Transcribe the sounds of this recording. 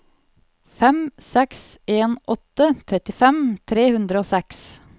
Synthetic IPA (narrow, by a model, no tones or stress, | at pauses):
fɛmsɛkseːnʔɔt̪ət̪ʰɾɛt̪ɪfɛmt̪ʰɾeːhʉnd̪ɾəoːsɛks